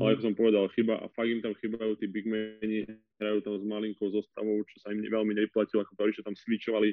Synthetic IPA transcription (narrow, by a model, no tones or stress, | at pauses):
ʔalɛakɔsɔmpɔʋɛd̪alxibaʔa̰faɡimt̪amxibajuːt̪iːbiɡmɛɲi | ɦɾajuːt̪amzmaliŋkɔʊzɔst̪a̰ʋɔʊt͡ʃɔ̥saimɲʋɛlmiɲɛʋiplacilɔakɔt̪ɔɾiʃɔt̪amsʋit͡ʃɔʋali